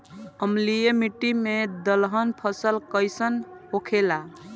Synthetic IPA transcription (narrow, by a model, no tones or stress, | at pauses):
əmlijemiʈːimed̪əlɦənpʰəsəlkəjsənɦokʰela